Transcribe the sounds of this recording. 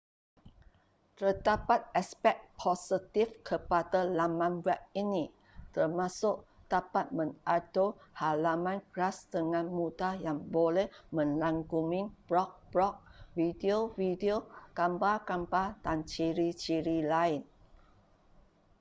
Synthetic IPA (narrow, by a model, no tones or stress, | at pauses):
t̪ərdapat̪̚aspɛk̚pʰosət̪ifkʰəpadalamãnwɛp̚ini | t̪ərmãsʊʔt̪apat̪̚mə̃nadohalamãnkɾasdəŋãnmũdajaŋbolɛhmə̃nlaŋɡumĩŋb̥ɾɔk̚b̥ɹɔk̚vidiovidiokampakambadant͡ʃiɾit͡ʃiɾilaɪn